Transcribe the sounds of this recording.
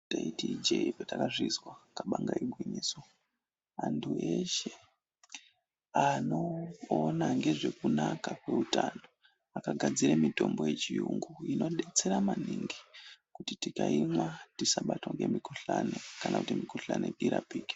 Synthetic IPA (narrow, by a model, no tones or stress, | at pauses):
taitid͡ʒepetakaʐizwakaɓaŋɡaiɓwiniːso | antʰueʃe | ano̞ːnaŋɡe̞ʐe̞kunakakwe̞utaːno | akaɡʱad͡ziɾemito̞mbo̞je̞t͡ʃijuŋɡuino̞ɗe̞t͡se̞ɾamaniŋɡikutitikaimwatisaɓatoŋɡe̞mikuɬanekanakutimikoɬa̰neiɾa̰piːke̥